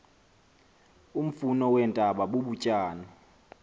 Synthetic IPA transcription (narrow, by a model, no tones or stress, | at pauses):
um̩funɔwɛntʼaɓaɓoɓucʼaːnɔ